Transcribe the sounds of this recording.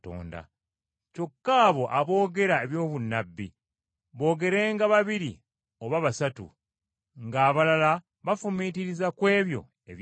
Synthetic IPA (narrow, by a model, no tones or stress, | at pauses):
to̰ːnda̰ | co̞kːaːβo̞ʔaβo̞ːɡe̞ɾae̞βjo̞ːβunːabːḭ | βo̞ːɡe̞ɾe̞ːŋɡaβaβiɾḭ | oβaβasatṵ | ŋɡaːβalala | βafumitiɾizakwe̞ːβjo̞̰ | eβj